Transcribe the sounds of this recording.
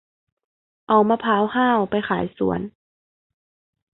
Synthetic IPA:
ʔa˨˩wmaː˧pʰaː˧˦whaː˥˨wpa˧jxaː˩˦jsṵ˨˩˦ən

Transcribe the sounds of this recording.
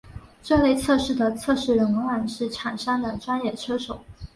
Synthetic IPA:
ʈ͡ʂɤ˥˧le˥˧ɪt͡sʰɤ˥˧ʂɻ̩˥˩d̪ə˩t͡sʰɤ˥˧ʂɻ̩˥˩ɻə˧˥nwə˧˥wa˥˩nʂɻ̩˥˩ʈ͡ʂʰa˨˩nʂa˥nd̪ə˨ʈ͡ʂwa˥njɛ˥˩ʈ͡ʂʰɤ˥ʂo˨˩˦ʊ

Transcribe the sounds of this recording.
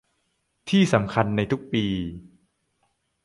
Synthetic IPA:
t̪ʰiː˥˩sa˩˦mkʰa˧nːa˧jt̪ʰu˦˥k̚piː˧

